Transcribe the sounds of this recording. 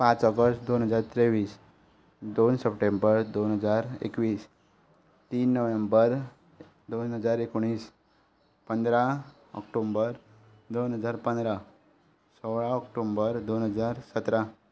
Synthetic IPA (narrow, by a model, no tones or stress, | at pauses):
pãt͡səɡəsʈd̪onɦəd͡zaɾt̪ɾeʋiːs | d̪onsəpʈembəɾd̪onɦəd͡zaɾḛkʋiːs | t̪iːnːəʋembəɾ | d̪onɦəd͡zaɾekoɽ̃iːs | pənd̪ɾa | ɔ̰kʈombəɾ | d̪onɦəd͡zaɾpənd̪ɾa | səwɭaɔkʈombəɾd̪onɦəd͡zaɾsət̪ɾa